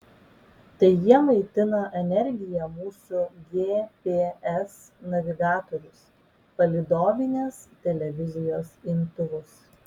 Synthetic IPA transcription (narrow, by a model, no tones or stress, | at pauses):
t̪ɐɪjiɛmɐɪt̪ʲɪnɐʔɛnʲɛɾʲɡʲɪjɛmuːsʊɡʲeːpʲeːɛs | nɐʋʲɪɡɑːt̪oɾʲʊs | pɐlʲɪd̪oːmʲɪnʲeːst̪ʲɛlʲɛʋʲɪzʲɪjoːsɪnt̪ʊʋʊs